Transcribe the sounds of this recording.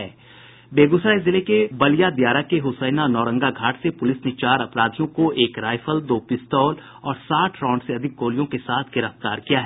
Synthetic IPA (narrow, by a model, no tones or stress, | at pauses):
ɛː | beːɡʊsɾaezɪlekebɐlijad̪jaːɾakeɦʊsəːɪnanɔːɾə̃ŋɡaɡʱaːʈsepʊlɪsnet͡ʃaːɾɐpɾaːd̪ʱijõkoʔeːkɾaːɪfəld̪oːpɪst̪ɔːl | ɔːɾsaːʈʰɾɔ̃ːɳɖseɐd̪ʱɪk̚ɡoːlijõkesaːt̪ʰɡɪɾəft̪aːɾkijaɦɛː